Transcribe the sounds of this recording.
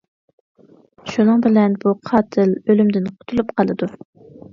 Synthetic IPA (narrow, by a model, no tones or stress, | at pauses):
ʃunɨŋbɪlɛnbuqʰɑːt̪ʰɪlølymd̪ɪnqʰʊ̥t̪ʰulˠupqʰɑlˠɨd̪u